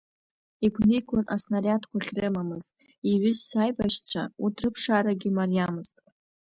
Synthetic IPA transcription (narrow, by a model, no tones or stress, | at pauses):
iɡʷʰnɨkʷʰʊnʔasnaɾʲatʰkʷʰaχʲrɨmamɨz̥tʼ | iɥʏzsajbaʃt͡ɕʷʰa̰utʰrɨpʰʂaɾaɡʲɪmarjamɨztʼ